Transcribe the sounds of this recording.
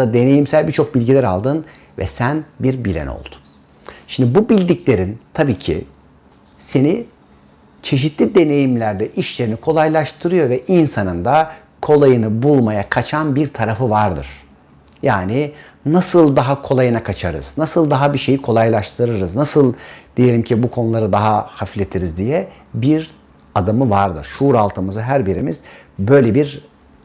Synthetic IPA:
ad̪e̞ne̞jimsælʲbiɾt͡ʃʰo̞k̚bilʲɟilʲæɾa̰lˠd̪ɯn | vɛ̰sænbiɾbilʲɛ̰no̰lˠd̪̥u̥ | ʃimd̪bubilʲd̪iclʲe̞ɾint̪ʰabiːcʰḭ | se̞ni | t͡ʃʰe̞ʃ̬it̪ʰlʲid̪e̞ne̞jimlʲæɾd̪ɛʔiʃlʲe̞ɾinikʰo̞lˠajlˠaʃt̪ʰɯɾɯjo̞ɾvɛʔinsanɯnd̪a | kʰo̞lˠajɯnɯbulˠmajakʰat͡ʃʰanbiɾt̪ʰaɾafɯvaɾd̪ɯ̰ɾ̥ | jaːni | nasɯlˠd̪aɦakʰo̞lˠajɯnakʰat͡ʃʰaɾɯ̰z̥nasɯlˠd̪aɦabiʃe̞jikʰo̞lˠajlˠaʃt̪ʰɯɾɯɾɯznasɯlˠd̪̥ije̞lʲimcʰibukʰo̞nulˠaɾɯd̪aɦahaflʲet̪ʰiɾizd̪ijɛ | biɾ | ad̪amɯvaɾd̪ɯɾ̥ʃuɾalˠt̪ʰɯmɯzɯɦæɾbiɾimiz̥bø̞jlʲebiɾ

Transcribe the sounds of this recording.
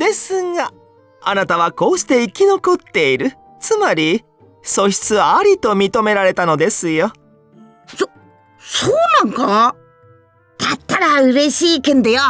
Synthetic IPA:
d̪̥e̞sɨŋa | anat̪aβ̞ako̞ːɕi̥t̪e̞ikʲino̞ko̞t̪ːe̞iɾɯ̟ | t͡sɨmaɾʲi | so̞ɕi̥t͡sɨβaːɾʲit̪o̞mʲit̪o̞me̞ɾaɾe̞t̪ano̞d̪e̞sɨjo | so | soːnãŋka | t̪at̪ːaɾaɯ̟ɾe̞ɕiːkẽnd̪ejo

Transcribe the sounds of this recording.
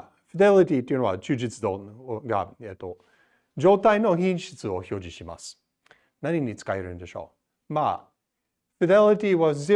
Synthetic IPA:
fid̪elit̪it̪ːojɯ̟noat͡ɕɨːd͡ʑit͡sɨd̪oɡa̰et̪ːo | d͡ʒo̞ːt̪aino̞çĩɕɨ̥t͡sɨo̞ço̞ːd͡ʑiɕima̰sɨ̥ | naɲiɲit͡sɨ̥kaeɾɯ̟̃nd̪e̞ɕo̞̰ː | ma̰ | fid̪elit̪iwazzi

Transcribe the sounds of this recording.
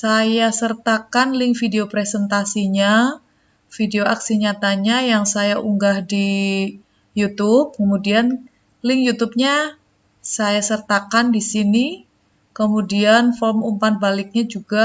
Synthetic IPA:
sajasərt̪akanlɪŋfideopɾesɛnt̪asiɲa | fideoʔaksiɲat̪aɲajaŋsajaʔuŋɡahdi | jut̪ʊp̚kəmudian | lɪŋjut̪ub̚ɲa | sajasərt̪akandisini | kəmudianfɔlmumpan̚balɪk̚ɲad͡ʒuɡa

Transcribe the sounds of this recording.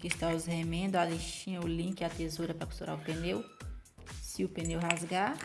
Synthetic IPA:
kɪst̪aʊzhemẽnd̪ʊaleʃt͡ʃĩɐ̃ʊlĩkɪat̪ezuɾɐpɾɐku̥st̪uɾa̰ɾʊpẽnew | sɪʊpẽnewɦazɡa

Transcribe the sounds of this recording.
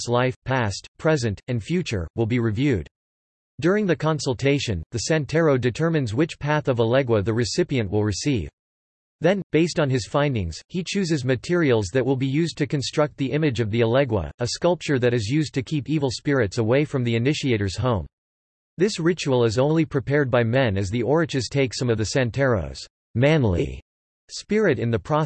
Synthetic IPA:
slaɪfpʰæstpʰɹ̥ɛzɨ̃ntʰɨ̃nfjʉt͡ʃə̰˞wɪlˠbiɹɨvjʉd̥ | dʊɹɪ̃ŋðɨkʰɑ̃nsl̩ˠtʰeɪʃɨ̃nðɨsæ̃ntʰɛɹoʊdɨtʰɜ˞mɨ̃nzwɨt͡ʃpʰæθʌvəlɛɡwəðɨɹɨsɪpiɨ̃nʔwʔəlˠɹɨsiv̥ | ðɨ̃nb̥eɪstn̩ɨz̥fãɪ̃ndɪ̰̃ŋz̥hit͡ʃʰʉzɨzmɨtʰɪɹil̩ˠzðɨt̚wəlˠbijʉzd̚tʰɨkɨ̃n̩stɹ̥ʌk̚t̪̚ðiʔɪ̃mɨd͡ʒʌvðiəlɛɡwə̰əskʌlˠp̚t͡ʃə˞ðɨɾɨzjʉzd̚tʰɨkʰipivl̩ˠspɪɹɨtsəweɪfɹʌ̃mðiɨnɪʃieɪɾə˞z̥hõʊ̃m | ðɪsɹɪt͡ʃuəl̩ˠəzõʊ̃nlnlipʰɹ̥ɨpʰɛɹd̚baɪmɛ̃nɨzðiʔɔɹɨ̃d͡ʒɨz̥tʰeɪksʌ̃mʌvðɨsæ̃ntʰɛɹo̰ʊz̥ | mæ̃nlḭ | spɪɹɨɾɨ̃nðɨpʰɹ̥ɑ

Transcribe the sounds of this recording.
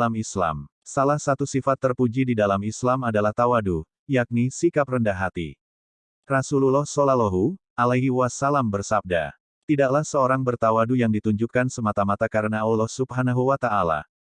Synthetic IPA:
lamisla̰m | salahsat̪usifat̪ːərpud͡ʒididalamislamadalaht̪awadu | jak̚nisikaprəndaɦat̪ḭ | rasululɔhsolalɔɦu | alaɦiwasalambərsab̚da̰ | t̪idaklahsəoɾaŋbərt̪awadujaŋdit̪uɲd͡ʒukansəmat̪amat̪akaɾənaulɔhsubɦanaɦuwat̪aʔala̰h

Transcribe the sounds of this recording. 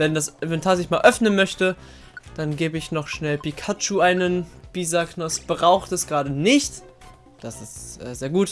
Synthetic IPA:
vɛndasɪnvɛntʰaːɐzɪçmaːlʔœfnənmœçtə | d̥anɡeːbəɪçnɔχʃnɛlpikʰat͡ʃuʔaɪnənb̥iːzaknɔsb̥ʁaʊxtɛsɡ̥ʁaːdənɪçt | d̥asɪstʔɛ̰ːzeːɐɡuːt

